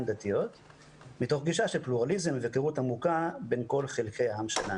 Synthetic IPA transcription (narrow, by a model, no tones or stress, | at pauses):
nd̪at̪ijo̞t̪ | mito̞χɡiʃaʃelpluʁalizemvekeʁutamukabe̞nko̞lχelkʰejaɦamʃḛla